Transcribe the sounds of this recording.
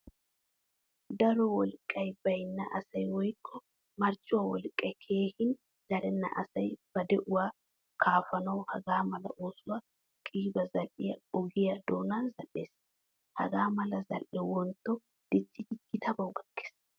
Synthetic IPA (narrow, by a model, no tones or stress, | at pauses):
d̪ɐɾɔwɔlkʼːɐjb̥ɐjnːɐʔɐsɐjwɔjkʰːɔ | mɐɾt͡ʃːʊwawɔlkʼːɐjkʰe̞ːhɪn | d̪̥ɐɾɛnːɐ̰ʔɐ̰sɐjb̥ɐd̪ɛʔʊwaː | kʰaːfɐnɐwhɐɡaːmɐlɐ̰ʔoːsʊwa | kʼiːbɐzɐlɪjɐɔɡɪjɐd̪o̞ːnaːzɐlːe̞ːs | hɐ̰ɡaːmɐlɐzɐ̰lʔɛwɔnt̪ːɔ | d̪̥ɪt͡ʃːɪd͡ʒɪɡ̥ɪt̪ʰɐbɐwʊɡɐɡːe̥ːs